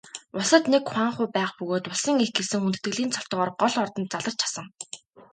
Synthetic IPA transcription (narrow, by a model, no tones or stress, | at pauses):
ʊsə̆t̪nekχwaːɴχʊːpæːχpɵɣoːt̪ʊɮsə̆ŋexɡesɘ̆ŋunt̪ɘ̥̆t̪ɡɘ̆ɮiːnt͡sʰɔ̥ɬt̪ʁɔːrɢɔɮɔrt̪ɞ̆nt̪̚t͡saɮə̆rt͡ɕʰḁsə̆ŋ